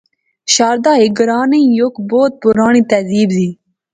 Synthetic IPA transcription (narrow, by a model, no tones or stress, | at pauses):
ɕɑːɾd̪ɑːiɡɾɑːneĩjokboːt̪̚puɾɑːɳit̪ɐziːbziː